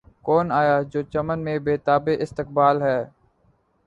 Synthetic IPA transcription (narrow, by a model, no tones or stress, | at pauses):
kɔːnaːjaːd͡ʒoːt͡ʃəmənmẽːbeːt̪aːbeʔɪst̪ɪk̚baːlɦɛː